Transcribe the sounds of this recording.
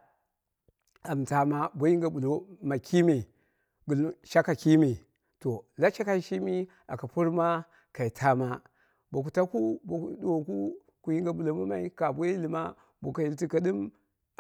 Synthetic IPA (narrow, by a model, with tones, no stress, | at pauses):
a˨m˨ta˨ma˦bʷo˦i˦ŋɡa˨bu˨lo˨ma˨kʰi˦me˨ | ɡu˨lʃa˦ka˨ki˦mi˨ | to˨la˦t͡ʃa˦ka˦i˨˦ʃi˦mi˦ | a̰˨ka˨pu˦ɾma˦ | ka˨i˨tʰa˦ma˦ | bo˨k̬u˨ta˦ku˦bo˨ɗu˨o˨ku˦ | ku˨ji˦ŋɡa˨bu˨lo˨ma˦ma˦i˦ka˨bʷo˦i˦li˨ma˦ | bo˨ka˨ji˨lti˦ka˦ɗi˦m